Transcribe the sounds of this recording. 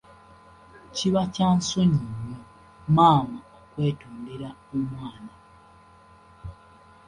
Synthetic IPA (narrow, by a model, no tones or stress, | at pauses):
ciβacaːnsoɲiɲe | maːmaokwe̞ːtoːndeɾaemwaːna